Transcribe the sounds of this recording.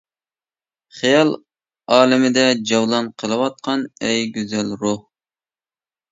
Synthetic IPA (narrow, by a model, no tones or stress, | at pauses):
χijɑlˠ | ɑːlɪmɪd̪ɛd͡ʒɑwlˠɑnqʰəlˠɨwɑt̪̚qʰɑnɛjɡʲyzælɾʊh